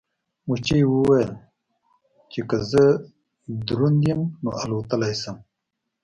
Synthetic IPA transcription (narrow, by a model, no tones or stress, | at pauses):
mut͡ʃiewuwajəl | t͡ʃekazə | d̪ɾund̪jimno̰ʔalot̪əlajsəm